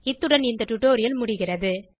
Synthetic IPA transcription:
ɪt̪ːɯɽɐnɪnd̪ɐʈʊʈːoːɾɪjɐlmʊɽɪɣɪrɐðɯ

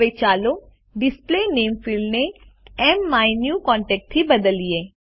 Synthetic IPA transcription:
eːt͡ʃaːlo | ɖɪspleːneːmpʰɪlɖneɛːmːaːinjukɔ̃ːɳʈɛːk̚ʈ̪ʰːibəd̪əlieː

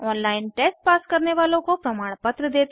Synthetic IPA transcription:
ɔːnlaɪnʈesʈ̚paːskəɾneʋalõkopɾəmaːɽ̃pət̪ɾəd̪et̪

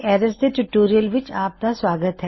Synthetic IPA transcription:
ɛːɾəst̪eʈʊʈoːɾijəlʋɪt͡ʃaːp̚k̪asʋaːɡət̪ɦɛ

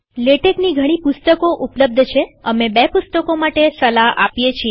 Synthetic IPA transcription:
leʈekniɡʱəɽ̃ipʊst̪əkoʔupləb̚d̪ʱt͡ʃʰeəmebepʊst̪əkomaʈesəlaɦʔa̰pjet͡ʃʰie

